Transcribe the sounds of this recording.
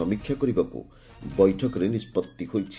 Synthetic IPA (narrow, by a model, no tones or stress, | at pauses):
ɔmikʰːjakɔɾibakṵ | bɔjʈʰɔkɔɾenispɔt̪ːihojt͡ʃʰi̥